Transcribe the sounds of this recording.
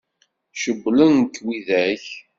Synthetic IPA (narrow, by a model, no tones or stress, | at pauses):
ʃəbːlənkːwiðæç